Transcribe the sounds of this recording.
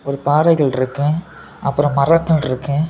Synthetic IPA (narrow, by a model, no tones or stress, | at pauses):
ɔɾɯpaːɾɐɪɣɐɭɪɾɯkːɯ̃ | ʔɐpːɯɾɐ̃mmɐrɐkːɐɭɪɾɯkːɯ̃